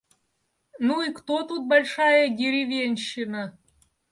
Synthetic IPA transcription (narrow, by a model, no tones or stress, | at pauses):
nuikt̪ot̪ut̪̚bɐlʲʂajəɡʲɪɾʲɪvʲenʲɕːɪnə